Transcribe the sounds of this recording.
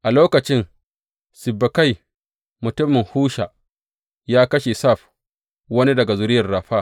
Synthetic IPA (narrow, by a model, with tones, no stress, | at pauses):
ʔa˨loː˦kɐ˨t͡ʃɪ˦n | sɪ˨bːɐ˨ka˦˨j | mʊ˨tʊ˦mːɪ˨ŋhuː˦ʃa˨ | jaː˦kɐ˦ʃe˨sa˦˨ɸ | wɐ˦ni˦dɐ˨ɡa˨zʊ˦ɾɪ˦jɐ˨rɽaː˨ɸaː˦